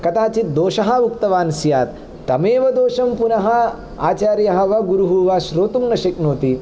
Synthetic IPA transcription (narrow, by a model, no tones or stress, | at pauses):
kɐt̪aːt͡ʃit̪̚d̪oːʃɐɦɐ̆ʋukt̪ɐʋaːnsjaːt̪ː | ɐmeːʋɐd̪oːʃɐmpunɐɦɐ̆ | a̰ːt͡ʃaːɾjɐɦɐ̆ʋɐɡuɾuɦuːʋaːʃɾoːt̪umnɐʃɐknoːt̪i